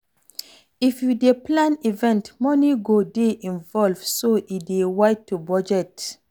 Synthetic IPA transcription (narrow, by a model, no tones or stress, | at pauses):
ifjudeplãnivɛ̃ntmɔniɡodeʔĩnvɔlvsoʔidewaɪtʰːubɔd͡ʒɛt